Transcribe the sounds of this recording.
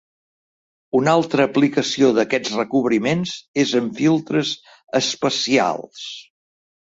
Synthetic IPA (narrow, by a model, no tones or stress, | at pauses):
unalˠt̪ɾəːplikəsioðəkɛd͡zrəkuβɾimenzezəɱfilˠt̪ɾəz | əspəsia̰lˠs